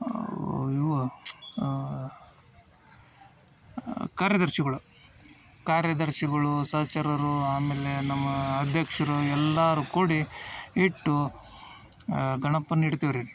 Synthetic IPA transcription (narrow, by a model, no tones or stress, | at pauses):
iʋɐ | kaːɾjɐd̪ɐɾʃiɡɐɭu | kaːɾjɐd̪ɐɾʃiɡɐɭusɐːt͡ʃɐɾɐɾuaːmeːlenɐmːɐːd̪ʱjɐkʂɐɾuɛlːaːɾukuːɽiiʈːu | ɡʱɐɳɐpːɐnːiɽt̪iʋɐɾii